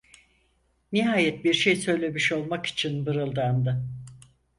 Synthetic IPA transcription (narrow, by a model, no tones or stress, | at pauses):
niɦaːjɛt̪̚biɾʃejsø̞jlʲe̞miʃo̞lˠmaki̥t͡ʃʰinbɯɾɯlˠd̪and̪ɯ